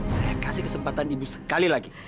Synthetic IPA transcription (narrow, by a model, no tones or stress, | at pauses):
sajakasihkəsəmpat̪anibusə̥kalilaɡi